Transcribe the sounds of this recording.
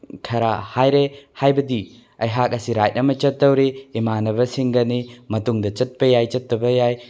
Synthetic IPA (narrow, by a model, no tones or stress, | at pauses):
kʰɐɾahajɾehajbɐdi | ɐjɦak̚ɐsiɾajt̚nɐmɐt͡ʃɐtːɐwɾiːmanɐbɐsiŋɡɐnimɐtuŋdɐt͡ʃɐt̚pɐjajt͡ʃɐtːɐbɐjaj